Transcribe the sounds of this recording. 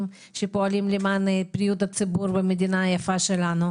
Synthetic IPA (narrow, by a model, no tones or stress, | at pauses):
m | ʃepoalimlimanepɾijud̪at͡sebuɾbemed̪inajafaʃɛlano